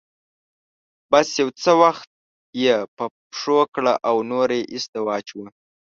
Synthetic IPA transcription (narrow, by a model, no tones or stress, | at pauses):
basjawt͡səwaxt̪̚ | jepəpʂokɽaʔawnoɾejʔɪsd̪ɪwɑt͡ʃwə